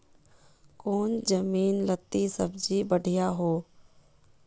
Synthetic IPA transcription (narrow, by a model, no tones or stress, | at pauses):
koːnd͡ʒəmiːnlət̪ːisə̰bd͡ʒibəɖʱijaɦoː